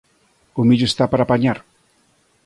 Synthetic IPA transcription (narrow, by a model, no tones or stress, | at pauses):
umid͡ʒust̪apaɾapaɲaɾ